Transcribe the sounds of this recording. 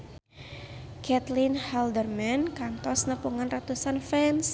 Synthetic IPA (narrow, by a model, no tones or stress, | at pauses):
kʰɛt̪linhaldərmɛnkant̪ɔsnəpuŋanrat̪usanfɛns